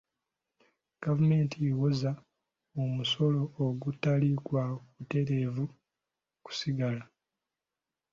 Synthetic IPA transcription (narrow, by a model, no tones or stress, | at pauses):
ɡ̥avume̞ːntiewoza | omuso̞lo̞ːɡutːalikwakute̞ɾeːvu | ku̥siɡala